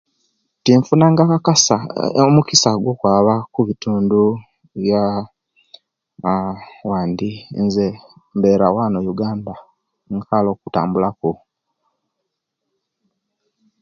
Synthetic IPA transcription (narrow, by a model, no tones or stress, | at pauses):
tiɱfunaːŋɡakakasa̰omukisaɡwoːkwaːβakuβituːndu | βja | waːndinze | mbeːɾawaːnojuɡaːnda | ŋkʰalo̞ːkuta̰ːmbulako